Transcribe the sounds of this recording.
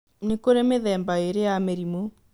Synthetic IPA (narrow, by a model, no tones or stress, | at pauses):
nekoɾemeðɛːmbaeɾejameɾimo